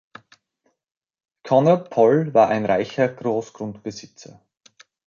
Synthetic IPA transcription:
kʰɔnɐpʰɔlvaːɐʔaɪnʁaɪçɐɡ̥ʁoːsɡ̥ʁʊntb̥əzɪt͡sɐ̰

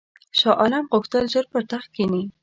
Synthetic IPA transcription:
ʃɑʔɑlamʁʊxt̪əlʒəɾpəɾt̪axkeni

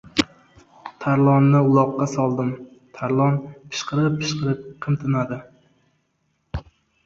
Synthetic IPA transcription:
t̪ʰaɾlˠɒnːɪʊlˠɒqːɑsɒlˠd̪ɪm | t̪ʰaɾlˠɒnpʰɪ̥ʃqʰɨɾɪpʰːɪʃqɨɾɪp̚qʰɨmt̪ʰɪnad̪ɪ

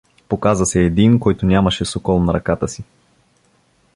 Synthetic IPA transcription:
pokazɐsɛːd̪inkɔjt̪onʲamɐʃɛsokɔlˠnɐɾɐkat̪əsi

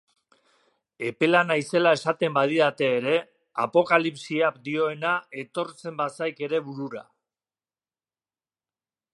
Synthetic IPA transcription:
e̞pe̞lanajse̞lae̞sat̪e̞mbaðiðat̪e̞ːɾe̞ | a̰po̞kalipsiakd̪io̞e̞nae̞t̪o̞ɾt͡se̞mbasajke̞ɾe̞βuɾuɾa̰

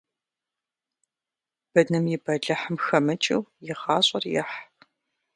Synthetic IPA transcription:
b̥ɐnɨmjɪbɐɮɐħəmxɐmɨt͡ʃʼɪ̰wjɪʁɑːɕʼɐrjɪ̰ħ

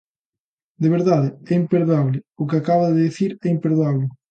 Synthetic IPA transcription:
d̪eβeɾðaðɪɛimpeɾðoaβlɪʊkɪakaβɐðeðiθiɾɛimpeɾðoaβlɪ

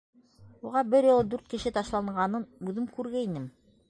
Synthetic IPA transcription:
uʁɑbɘɾjɤ̆lˠɤd̪ʉɾt̪̚kɘ̆ʃɘt̪ɑʃlˠɑɴɢɑnɤnʉðɘmkʉɾɡæinɘm

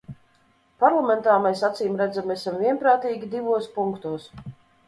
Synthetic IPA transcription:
paɾlˠamɛnt̪aːmɛsat̪siːmɾæd̪zamɛsamvʲiɛnpɾaːt̪iːɡʲid̪ivuɔspuŋkt̪uɔs

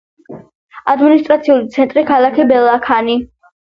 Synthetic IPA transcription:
ad̪minist̪ʼɾat̪sʰiulit̪sʰɛnt̪ʼɾikʰalˠakʰibɛlˠakʰani

